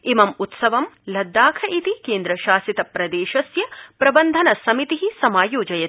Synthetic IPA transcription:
imɐmut̪sɐʋɐmlɐd̪ːaːkʰɐʔit̪ikeːnd̪ɾɐʃaːsit̪ɐpɾɐd̪eːʃɐsjɐpɾɐbɐnd̪ʱɐnɐsɐmit̪iɦisɐmaːjoːd͡ʒɐjɐ

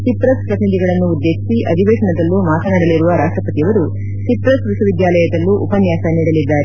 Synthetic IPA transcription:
sipɾɐspɾɐt̪inid̪iɡɐɭɐnːuːd̪ːeːʃisiʔɐd̪ʱiʋeːʂɐɳɐd̪ɐlːumaːt̪ʰɐnɐɽɐliɾuʋɐɾaːʂʈɾɐpɐt̪iɐʋɐɾu | sipɾɐsʋisuʋid̪jaːlɐjɐd̪ɐlːuʔupɐnjaːsɐniːɽɐlid̪ːaːɾe

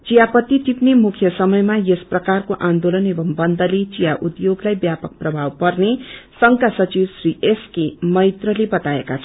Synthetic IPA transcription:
t͡sijapʌt̪ːit̪ipnemukʰjʌsʌmʌjmajesprʌkarkoʔãnd̪olʌnebʌmbʌnd̪ʱʌlet͡sijaʔud̪joɡlajbjapʌk̚prʌbʱawpʌrnesʌŋkasʌt͡siwsrieskemʌjt̪rʌlebʌt̪aekat͡sʰʌ

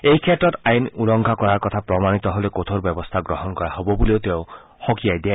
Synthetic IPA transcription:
ejkʰetɾɔt̪ajnulɔŋɡʱakɔɹaɾkɔt̪ʰapɾɔmanit̪ɔɦolekot̪ʰoɾbjɔbɔst̪ʰaɡɾɔɦɔnkɔɹaɦobɔbuliot̪eʊ | xokiajd̪ia

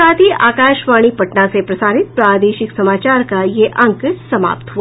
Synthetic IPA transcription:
aːt̪iʔa̰ːkaːʃʋaːɽ̃ipɐʈnasepɾɐsaːɾɪt̪̚pɾaːd̪eːʃɪksɐmaːt͡ʃaːɾkajeʔɐ̃ŋksɐma̰ːp̚t̪ɦua

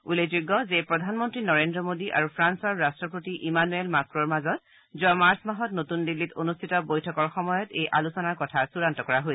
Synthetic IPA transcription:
ulezuɡːɔzepɹɔdʱanmɔntɹinɔɹendɹɔmodiʔa̰ɹupʰɹansɔɹːastɹɔpɹotiʔimanuelmakɹɔɹmazɔt | zuamaɹsmaɦɔtnotundilːitonustʰitɔbojtʰɔkɔɹxɔmɔjɔtejʔalusɔnaɹkɔtʰasuɹantɔkɔɹaɦojs

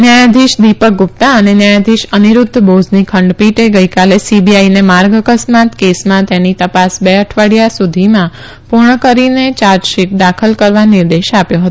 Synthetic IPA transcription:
njajad̪ʱiʃd̪ipək̚ɡup̚t̪aənenjajad̪ʱiʃəniɾʊd̪ʱːbod͡ʒnikʰəɳɖpiʈeɡəjkalesibiainemaɾɡəkəsmat̪kesmãt̪enit̪əpasbeəʈʰʋaɽjasud̪ʱimã | puɾɳəkəɾinet͡ʃaɾʃiʈ̚d̪akʰəlkəɾʋaniɾd̪eʃapjõɦət̪õ

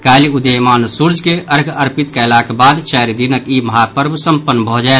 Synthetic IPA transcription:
kaːliud̪emaːnsuɾd͡ʒkeʔəɾɡəɾpit̪kalaːkebaːd̪t͡ʃɛɾid̪inəkiməɦapəɾmsəmpənːbʱəɦd͡ʒaː

